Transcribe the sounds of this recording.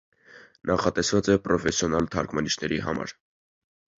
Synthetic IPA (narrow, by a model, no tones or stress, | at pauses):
nʔɑχɑt̪ɛsvɑt͡sɛpɾɔfɛsjɔnɑlt̪ʰɑɾkʰmɑniʃʰnɛɾiɦɑ̰mɑ̰ɾ